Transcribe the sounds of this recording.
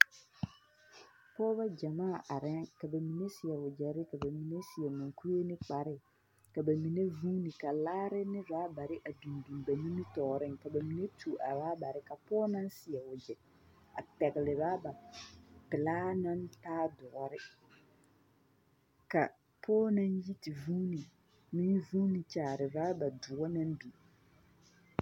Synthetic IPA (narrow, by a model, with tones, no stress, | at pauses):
pɔː˦βa˦d͡ʒa˨maː˦˨ʔa˨ɾɛ˦ka˨ba˨mi˨ne˦sɪ˨ɛ˨ʊ˨d͡ʒɛ˨ɾɪ˦ka˨ba˨mi˨ne˦sɪ˨ɛ˨ma˨ŋku˦e˦nɪ˦k͡pa˨ɾɪ˦ | ka˨ba˨mi˨ne˦vuː˦ni˨ka˨laː˦ɾɪ˦nɪ˦vaː˨˦ba˨ɾɪ˦ʔa˨du˨ndu˨mba˨mi˦nɪ˦tɔː˨ɾɪ˦ŋka˨ba˨mi˨ne˦tʰu˨ʔa˨baː˦ba˨ɾɪ˦ka˨pɔː˦na˦nsɪ˨ɛ˨ʊ˨d͡ʒɛ˨ | a̰˨pɛ˨ɣɪ˨lɪ˨ɾaː˦ba˨pɪ˨laː˦nã˦ntaː˦dʊ˨ɾɪ˦ | ka˨ | pʰɔː˦na˦nji˦ti˨vuː˦ni˨ | mɪ̃˦vuː˦ni˨t͡ʃaː˨ɾɪ˨vaː˦ba˨dʊ˨ɔ˦na˦nbi˨